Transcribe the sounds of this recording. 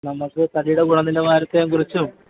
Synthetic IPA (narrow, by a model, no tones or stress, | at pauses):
nɐmːɐkːɨt̪ɐɽijuɽeɡuɳɐnːilɐʋaːɾɐt̪ːejŋkurit͡ɕːum